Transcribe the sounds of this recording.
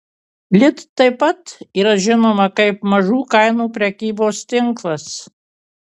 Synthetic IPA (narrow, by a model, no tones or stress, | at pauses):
lʲɪt̪ːɐɪpɐt̪iːɾɐʒʲɪnoːmɐkɐɪpmɐʒuːkɐɪnuːpʲɾʲɛkʲiːboːst̪ʲɪŋklˠɐs